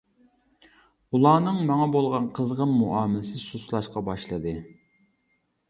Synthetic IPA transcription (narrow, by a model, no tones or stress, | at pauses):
ulˠɑːnɨŋmɑŋɑbolˠʁɑnqʰəzʁəmːuʔɑːmɪlɪsɪsuslˠɑʃqɑbɑʃlˠɨd̪ɨ